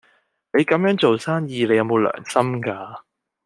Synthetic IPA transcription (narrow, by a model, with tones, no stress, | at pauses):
ne˨˧jkɐ˨˥mjœː˨˥ŋt͡so˨wsaː˥njiː˧le˨˧jɐ˨˧wmo˨˧wlœ̰ː˨˩ŋsɐ˥mkaː˧